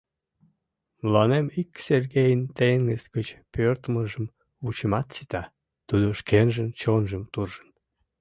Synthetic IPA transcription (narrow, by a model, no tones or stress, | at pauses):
mlɑnemikserɣejənt̪enɡəsɡət͡ɕpørt̪əməʒəm | ut͡ɕəmɑt̪sit̪ɑ | t̪ud̪oʃkenʒənt͡ɕonʒəmt̪urʒən